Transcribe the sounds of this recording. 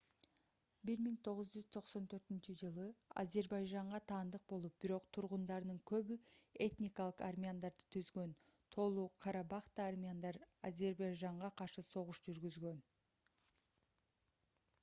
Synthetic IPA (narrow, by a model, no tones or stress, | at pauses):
biɾmiŋt̪ʰo̞ʁʊzd͡ʒyz̥t̪ʰo̞qso̞nt̪ʰø̞ɾt̪int͡ʃyd͡ʒɯlˠɯa̰ze̞ɾbɑjʒɑɴʁɑt̪ʰɑːnd̪ɯq̚bo̞lˠup̚b̥iɾo̞qt̪ʰuɾʁund̪ɑɾnɯŋkʰø̞βye̞t̪nʲikalˠɯqarmʲiand̪ɑɾd̪ɯ̥t̪ʰyzɡø̞nt̪ʰo̞lˠuːqʰɑɾɑbɑχt̪aːrmʲiand̪ɑɾaze̞ɾbɑjʒɑɴʁɑqʰɑɾʃɯso̞ʁuʃd͡ʒyɾɡyzɡø̞n